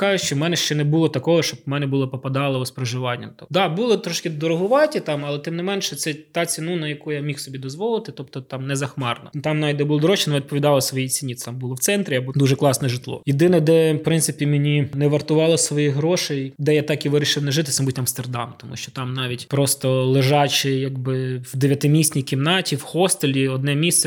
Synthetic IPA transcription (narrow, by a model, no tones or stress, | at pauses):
kɑʒʊʃt͡ʃɔmɛnɛʃt͡ʃɛnɛbʊlˠɔt̪ɐkɔɦɔʃt͡ʃɔbmɛnɛbʊlˠɔpɔpɐd̪ɑlˠɐɔspɾɐʒɪʋɑnʲːɐ̰mt̪ɔd̪ɑbulˠɔt̪ɾɔʃkʲɪd̪ɔɾɔɦʊʋɑtʲit̪ɑmɐlˠɛt̪ɪmnɪmɛnʃɛt̪sɛt̪ɑt͡sʲinunɐjɐkujamʲixsɔbʲid̪ɔzʋɔlˠɪt̪ɪt̪ɔpt̪ɔt̪ɑmnɛzɐxmɑrnɔ̰t̪ɑmnɑjd̪ɛbulˠɔd̪ɔɾɔʃt͡ʃɪnʋʲid̪̚pɔʋʲid̪ɑlˠɐsʋɔjit͡sʲinʲit̪ɛt̪ɑmbulˠɔw̪sɛnt̪ɾʲɪjabd̪uʒɛklˠɑsnɛʒɪt̪lˠɔ̰jɪd̪ɪnɐd̪ɛpɾɪnt̪sɪpʲimʲɪnʲinɛʋɐrt̪ʊʋɑlˠɔsʋɔjiɦɾɔʃejd̪ɛjat̪ɑkiʋɪɾʲɪʃɪwnɛʒɪt̪̬ɪ̥t̪sɛmbut̪ʲɐmst̪erd̪ɑ̰mt̪ɔmṵʃt͡ʃɔt̪ɑmnɑʋʲitʲpɾɔst̪ɔlˠɪʒɑt͡ʃɪjɐɡbɪwd̪eʋʲjɐt̪ɪmʲisʲnʲikʲimnɑtʲiwxɔst̪elʲiɔd̪nɛmʲist̪ɛ